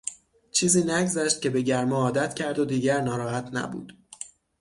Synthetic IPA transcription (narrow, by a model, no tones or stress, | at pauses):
t͡ʃʰiːziːnæɡzæʃt̪̚cʲe̞be̞ɟæɾmɒɒːd̪æt̪cʲʰæɾd̪od̪iːɟæɾnɒːɾɒːɦæt̪ʰnæ̰bṵːd̪̥